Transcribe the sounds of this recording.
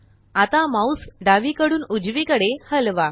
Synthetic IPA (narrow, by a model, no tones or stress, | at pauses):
at̪amausɖaʋiːkəɽuːnud͡ʑʋikəɽehəlʋa